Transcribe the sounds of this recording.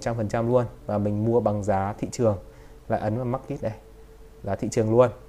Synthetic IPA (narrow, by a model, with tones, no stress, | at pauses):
t̚t͡ɕa˧mfə˨˩nt͡ɕa˧mlu˧ənvaː˨˩mï˨˩ŋ̟mu˧əɓa˨˩ŋzaː˨˦t̪ʰḭ˧˨t͡ɕɨ˨˩əŋ | la̰ː˧˨jʔə˨˦nlaː˨˩ma˦˥t̚k̪i˦˥t̚ɗə˧˩j | laː˨˩t̪ʰḭ˧˨t͡ɕɨ˨˩əŋlu˧ən